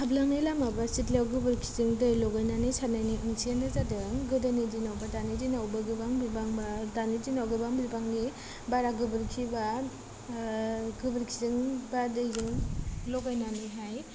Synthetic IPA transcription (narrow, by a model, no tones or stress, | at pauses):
hablaŋnɯjlamabasitlawɡɯbɯɾkʰizɯŋdɯjlɔɡajnanɯjsanajniɯŋsianazadɯŋɡɯdanidinawbadanidinawbaɡɯbaŋbilbaŋbadanidinawɡɯbaŋbilbaŋni | baɾaɡɯbɯɾkʰiba | ɡɯbɯɾkʰizɯŋbadɯjzɯŋlɔɡajnanɯjɦaj